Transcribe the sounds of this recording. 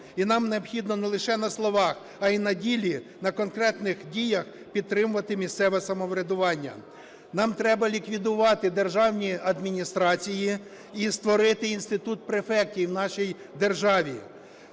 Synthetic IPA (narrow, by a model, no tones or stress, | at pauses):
inɑmneɔbxʲid̪nɔnɛlˠɪʃɛnɐslˠɔʋɑx | ɐinɐdʲilʲinɐkɔnkɾɛt̪nɪxdʲijɐx | pʲid̪̚t̪ɾɪmʊʋɐt̪ɪmʲist̪sɛʋɛsɐmɔʋɾʲed̪ʊʋɑnʲːɐ̰ | nɑmt̪ɾɛbɐlʲikʋʲid̪ʊʋɑt̪ɪd̪erʒɑwnʲiɐd̪mʲinʲist̪ɾɑt͡sʲiji | ist̪ʋɔɾɪt̪ɪinst̪ɪt̪ut̪̚pɾefɛk̚tʲijwnɑʃij | d̪erʒɑʋʲi